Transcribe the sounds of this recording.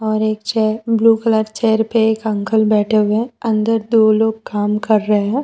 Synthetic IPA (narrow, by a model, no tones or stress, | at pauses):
ɔːɾeːkt͡ʃɛːbluːkələɾt͡ʃɛːɾpeeːkə̃ŋkəlbɛːʈʰewẽɐ̃nd̪əɾd̪oːloːɡ̚kaːmkɐɾːəɦeɦɛ̃ː